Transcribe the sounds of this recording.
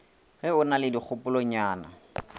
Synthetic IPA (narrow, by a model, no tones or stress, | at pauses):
ɣɪʊnalɪdik͡xʰʊpʊloɲaːna̰